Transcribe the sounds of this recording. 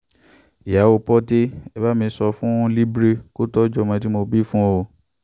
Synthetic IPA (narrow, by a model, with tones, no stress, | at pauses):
i˨ja˨˦wo˧pɔ˦te˦ɛ˧ba˦mĩː˧˦sɔ˧fũ˦li˦bɾe˦ko˦tɔ˦d͡ʒɔ˧˨mã˧t̬i˦mo˧bi˦fũ˦o˧